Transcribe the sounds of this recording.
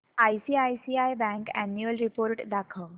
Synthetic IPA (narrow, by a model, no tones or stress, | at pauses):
ajsiːajsiːajbɛ̃ŋkænjuəlɾipoːɾʈd̪akʰə